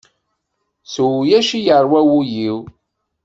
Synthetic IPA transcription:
swjæʃijəɾˤwæwujiw

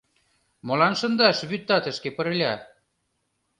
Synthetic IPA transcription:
mɤ̆lɑnʃɤ̆nd̪ɑʃβyt̪ːɑt̪ə̆ʃkepə̆ɾɘ̆lʲɑ

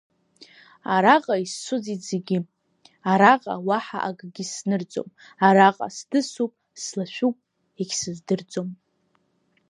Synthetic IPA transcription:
aɾaqʼaisːʊzizeɡʲɪ | aɾaqʼa̰waħa̰ʔaɡʼɡʲɪsnɨrd͡zʼo̰m | aɾaqʼa̰sdɨsupʼ | slaʃʷᶣupʼ | ekʲʰsɨzdɨrd͡zʼom

